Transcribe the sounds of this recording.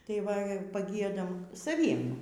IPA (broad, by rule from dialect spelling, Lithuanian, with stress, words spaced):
tɐɪ ˈʋɐ pɐˈɡʲiɛdɐm sɐˈʋʲiɛm